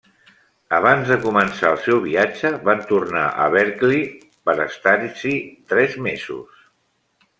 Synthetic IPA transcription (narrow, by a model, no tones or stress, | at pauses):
əβanzðəkumənsaəlˠsɛwβiad͡ʒəβant̪urna̰ʔə̰βɛɾkli | pəɾəst̪aɾsit̪ɾɛzmezṵs